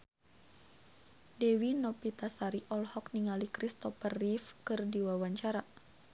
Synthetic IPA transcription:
dɛwinɔpit̪asaɾiʔɔlhɔkniŋalikɾist̪ɔpərifkɨrdiwawaɲt͡ʃaɾa

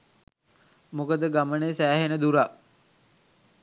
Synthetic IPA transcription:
mokəd̪əɡaməneːsæːɦenəd̪uɾaʔ

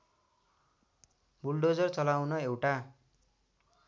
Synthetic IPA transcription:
bulɖod͡zʌrt͡sʌlawnʌewʈa

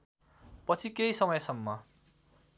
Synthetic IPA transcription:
pʌt͡sʰikejsʌmʌjsʌmːʌ

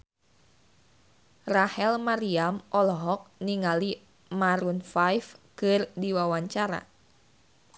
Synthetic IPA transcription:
rahɛlmaɾiamʔɔlɔɦɔk̚niŋali | maɾunfajfkɨrdiwawaɲt͡ʃaɾa̰

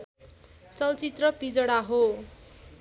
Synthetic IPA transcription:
t͡sʌlt͡sit̪rʌpid͡zʌɽaɦo

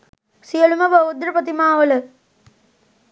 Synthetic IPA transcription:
sijɐlumɐbɐwud̪ɾɐpɐt̪imaːʋɐlɐ

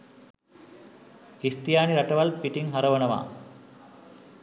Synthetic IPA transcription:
hist̪ijaːniɾɐʈɐʋɐlpiʈiŋɦɐɾɐʋɐnɐʋa̰ː

